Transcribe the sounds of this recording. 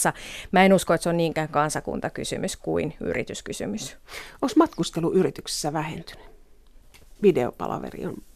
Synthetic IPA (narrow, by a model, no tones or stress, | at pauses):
ɑmæenuskoet̪seonniːŋkæːŋkɑnsɑkṵnt̪ɑkysy̰myskuiny̰rḭt̪yskysy̰mysosmɑt̪kust̪eluʔyrit̪ykse̥sːæʋæhḛnt̪y̥ny̥ | ʋideo̰pɑ̰lɑ̰ʋḛrḭon